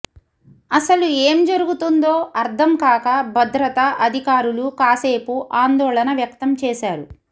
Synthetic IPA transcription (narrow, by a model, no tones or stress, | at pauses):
ɐsɐlueːmd͡ʒɐɾuɡut̪und̪oːɐɾd̪ʰʱɐmkaːkɐbʱɐd̪ɾɐt̪ɐʔɐd̪ʱikaːɾulukaːseːpuʔaːnd̪ɔːlɐnɐʋjɐkt̪ɐmt͡ʃɛːʃaːɾu